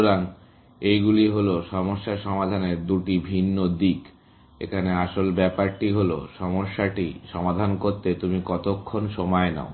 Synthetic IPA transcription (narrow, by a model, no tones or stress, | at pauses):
ɾaŋ | ejɡuliɦoloʃɔmoʃːaɾʃɔmad̪ʱaneɾd̪uʈibʱinːod̪ik | ḛkʰaneaʃolbɛpaɾʈiɦolo̰ʃɔmoʃːaʈiʃɔmad̪ʱankoɾt̪et̪umikɔt̪okʰːonʃɔmɔena̰o